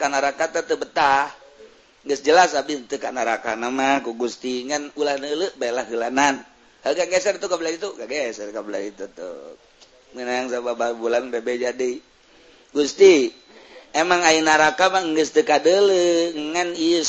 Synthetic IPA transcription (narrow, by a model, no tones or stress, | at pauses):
kanaɾakat̪ət̪əbət̪ah | ŋɡəsd͡ʒəlasabit̪əkanaɾakanamahkuɡust̪iŋanulahnələbajlahɡəlanan | halɡaŋɡesərt̪ukablaɾit̪uɡaŋɡesərkabəla̰ɾit̪ut̪ṵ | mənajaŋsabababulanbebed͡ʒadi | ɡust̪i | emaŋainaɾakamaŋɡəst̪əkadələŋaniə